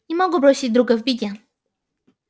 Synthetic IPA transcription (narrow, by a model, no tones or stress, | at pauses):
imɔɡɛpɾɔɕid͡ʑʲd̪ɾuɡɛvbʲid̪ʲɛ